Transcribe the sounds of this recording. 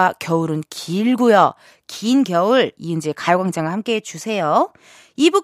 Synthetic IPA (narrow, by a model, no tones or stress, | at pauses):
akjʌuɾɯnkʰiɭɡujʌ | kiːnɡjʌɯɭiɯnd͡ʑekajoɡaŋd͡ʑaŋɯɭhamk͈e̞ɦet͡ɕusʰe̞jo | ibu